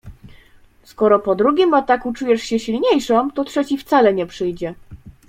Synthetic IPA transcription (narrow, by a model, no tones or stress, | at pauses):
skɔɾɔpɔd̪ɾuɡʲimat̪akut͡ʂujɛʂɕɛɕilɲejʂɔmt̪ɔt̪ʂɛt͡ɕift̪salɛɲɛpʂɘjd͡ʑɛ